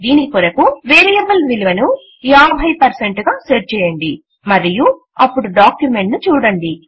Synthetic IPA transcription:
d̪iːniikoɾɐkuʋeːɾijɐbɐlʋiliʋɐnu | jaːbʱɐjpɐɾseɳʈɡaːseːɾt͡ʃɛːjɐɳɖi | mɐɾiju | ɐpːuɽuɖaːkjume̞ɳʈnut͡ʃuːɽɐɳɖi

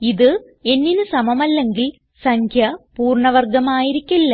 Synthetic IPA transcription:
iðɨ | e̞nːinɨsɐmɐmɐlːe̞ŋɡil | sɐŋkʰjɐpuːrɳɐʋɐrɡɐmaːjiɾikʲːilːɐ

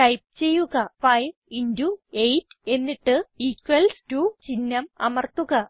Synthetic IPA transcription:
ʈɐjp̚t͡ɕe̞jːuɣɐfɐjʋinduejtːe̞nːiʈːɨikʋɐlstut͡ɕinːɐmɐmɐrt̪uɣɐ

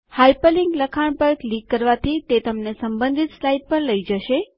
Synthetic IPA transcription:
hajpəliŋɡləkʰaɳ̃pəɾklikːəɾʋat̪ʰit̪et̪əmnesəmbə̃nd̪ʱit̪slajɖ̚pəɾləid͡ʒəʃe

